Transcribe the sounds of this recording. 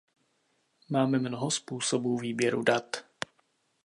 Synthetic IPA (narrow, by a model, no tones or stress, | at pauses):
maːmɛmnoɦospuːsobuːviːbjɛɾṵdat̪